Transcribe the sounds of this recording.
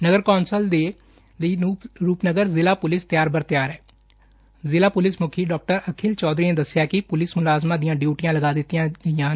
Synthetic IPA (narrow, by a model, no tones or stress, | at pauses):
nəɡəɾkɔːnsəld̪eː | ləiːɾuːpnəɡəɾzɪlaːpʊlɪst̪ɪjaːɾbəɾt̪ɪjaːɾɦɛː | zɪlaːpʊlɪsmʊkʰiːɖɔːk̚ʈəɾəkʰɪlt͡ʃɔːd̪ɾiːneːd̪əsːɪjaːkɪpʊlɪsmʊlaːzmaːd̪ɪjãːɖjuːʈɪjãːləɡaːd̪ɪt̪ːijãːɡəɪjãː